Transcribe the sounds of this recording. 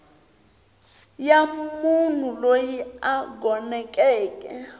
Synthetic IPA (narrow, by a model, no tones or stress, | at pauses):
jamun̤ulojiaɡɔnɛkʼɛːkʼɛ̰